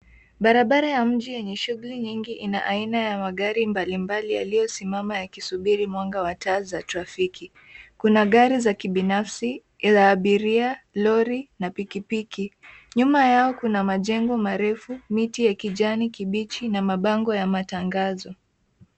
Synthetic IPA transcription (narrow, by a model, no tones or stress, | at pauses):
ɓaɾaɓaɾajam̩ʄijɛɲɛʃuɣuliɲiŋɡiʔina̰ʔainajamaɠaɾimbalimbalija̰lijɔsimamajakisuɓiɾimwaŋɡawataːzatɾafikʰi | kunaɠaɾizakiɓinafsi | zaːɓiɾialɔɾinapikipikiɲumajaɔkunamaʄɛŋɡɔmaɾɛfumitijakiʄanikiɓit͡ʃinamaɓaŋɡɔjamataŋɡazɔ